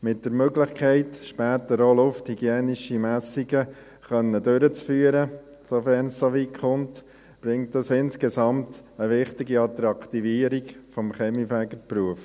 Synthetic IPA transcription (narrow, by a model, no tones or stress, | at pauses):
mɪt̚d̥əɾmøɡlɪχkʰɛɪtʃpæːt̪əɾoːlʊfthiɡ̥jɛːniʃimæsiɡə | χœnːədøɾət͡sfyːəɾə | sofɛɾnssoʋikχʊnt | b̥ɾɪŋtdɑsɪnskɛsɑmt | əʋɪχtɪɡiɑt̪ɾɑkt̪iviːəɾiɡfɔmχɛmifæɡəɾpɾuəf